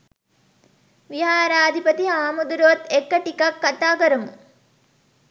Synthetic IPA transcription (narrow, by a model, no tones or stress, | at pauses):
ʋiɦaːɾaːd̪ʱipɐt̪iɦaːmud̪uɾʋɐt̪ːekːɐʈikɐkːɐt̪aːkɐɾumu